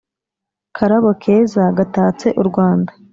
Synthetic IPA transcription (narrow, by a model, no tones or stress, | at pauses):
kʰaɾaβokʰe̞ːzaɡataːt͡se̞ʔuɾɡwaːnda